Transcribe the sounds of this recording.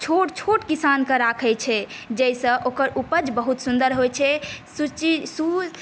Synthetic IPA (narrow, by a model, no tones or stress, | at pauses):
t͡ʃʰoʈt͡ʃʰoʈkisankəɾakʰɛt͡ʃʰɛd͡ʒɛjsə̃ʔokəɾupəd͡ʒbəɦut̪sund̪əɾɦojt͡ʃʰɛsut͡ʃisu